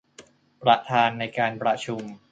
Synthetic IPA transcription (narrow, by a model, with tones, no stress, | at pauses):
pɾa˧t̪ʰaː˧nːa˧jkaː˧npɾa˧t͡ɕʰu˧m